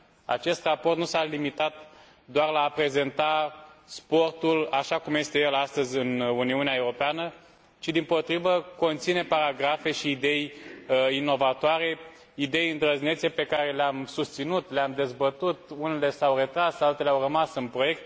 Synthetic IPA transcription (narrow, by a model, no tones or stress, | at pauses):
a̰t͡ʃe̞st̪raport̪nusalimit̪at̪ | d̪oarlaːpɾe̞ze̞nt̪aspo̞rt̪ulaʃakumje̞st̪e̞je̞last̪əzʲɨnuniuneaewɾo̞peanə | t͡ʃid̪impo̞t̪ɾivəko̞nt̪sine̞paɾaɡɾafe̞ʃiːd̪e̞j | ino̞vat̪oaɾe̞ | id̪e̞jɨnd̪ɾəzne̞t̪sepe̞kaɾe̞leamsust̪sinut̪leamd̪e̞zbət̪ut̪̚unele̞sawre̞t̪ɾasalt̪eleawrəmasɨnpɾo̞je̞kt̪̚